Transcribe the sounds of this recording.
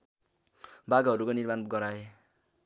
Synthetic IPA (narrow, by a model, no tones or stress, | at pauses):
baɡaɦʌɾukonirmanɡʌɾae